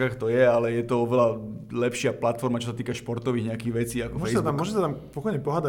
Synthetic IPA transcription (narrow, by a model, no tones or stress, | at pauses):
axt̪ɔjɛalɛjɛt̪ɔɔʋɛlalɛpʃɪaplat̪fɔɾmat͡ʃɔsat̪iːkaʃpɔɾt̪ɔʋiːɣɲɛakiːɣʋɛt͡siːakɔfɛjsbt̪uamːɔʒɛsat̪ampɔkɔjɲɛpɔɦaːd̪a